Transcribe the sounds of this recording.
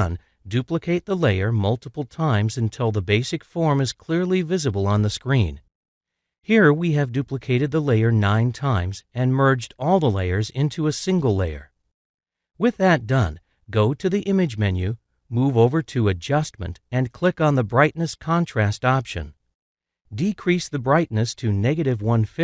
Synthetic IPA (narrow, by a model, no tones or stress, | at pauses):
n | dʉpləkʰeɪt̪̚ðəleɪə˞mʌlˠtəpl̩ˠtʰãɪ̃mzɨ̃ntʰɪlˠðəbeɪsɨkfɔɹmɨz̥kʰl̥ɪɹlivɪzəbl̩ˠə̃nðəskɹĩn | hiɹwiɨvdʉpləkʰeɪɾɨd̪̚ðəleɪə˞nãɪ̃ntʰãɪ̃mzɨ̃nmɜ˞d͡ʒdɔlˠðəleɪə˞zɪ̃ntʰuəsɪ̃ŋɡl̩ˠleɪə̰˞ | wɪðɨt̚d̥ʌ̃n | ɡoʊɾɨðiʔɪ̃mɨd͡ʒmɛ̃njʉ | muvoʊvə˞ɾɨɨd͡ʒʌst̚mɨ̰̃ntɨ̃nkʰl̥ɪkn̩ðəbɹaɪtⁿnɨskʰɑ̃ntʰɹ̥æstɑpʃɨ̰̃n | dɨkʰɹ̥isðɨbɹaɪtⁿnɨstʰɨnɛɡɨɾɨvwʌ̃nfɪ